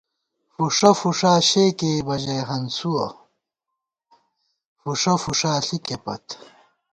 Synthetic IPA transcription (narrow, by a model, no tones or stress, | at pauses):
fuʂɐfuʂaːɕeːkeːbɐd͡ʑɐɦɐnsuɐ̰ | fuʂɐfuʂaːɬikepɐ̰t̪